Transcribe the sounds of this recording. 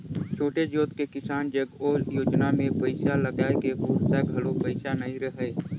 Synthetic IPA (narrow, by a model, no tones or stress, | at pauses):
t͡ʃʰoːʈed͡ʒoːt̪kekɪsaːnd͡ʒəɡoːɾjoːd͡ʒnamẽpəɪʃaləɡaːekeɦuːɾsaːɡʱɐlopəɪʃanəɦĩɾəɦeː